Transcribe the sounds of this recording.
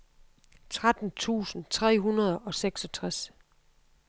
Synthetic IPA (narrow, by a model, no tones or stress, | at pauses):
t͡sʰʁad̥n̩t͡sʰṵːsn̩t͡sʰʁɛ̰ːɦunɐð̞ˠɒ̽seɡ̥sɒ̽t͡sʰʁas